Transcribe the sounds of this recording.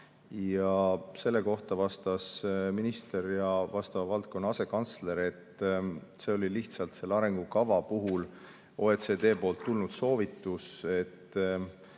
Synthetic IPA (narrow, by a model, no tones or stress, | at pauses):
jɑse̞lːe̞ko̞ht̪ɑvɑst̪ɑsminist̪e̞ɾjɑvɑst̪ɑvɑvɑlt̪̚ko̞nːɑɑse̞kɑnt̪sle̞ɾe̞t̪ | se̞o̞lʲiliht̪sɑlt̪se̞lːɑɾe̞ŋɡ̥ukɑvɑpuɦul | o̞et̪se̞ːd̪e̞ːpo̞ːlt̪ːulnud̪̥so̞ːvit̪ːˑuse̞t̪ː